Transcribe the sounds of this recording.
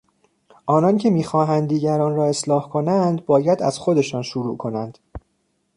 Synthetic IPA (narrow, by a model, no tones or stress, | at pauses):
ʔɒːnɒncʰe̞miːxɒːɦænd̪dːiːɟæɾɒːnɾɒːe̞slɒːhkʰo̞nænd̪bɒːjæd̪æ̰z̥xo̞d̪e̞ʃɒːnʃuɾuːkʰo̞nænd̪̥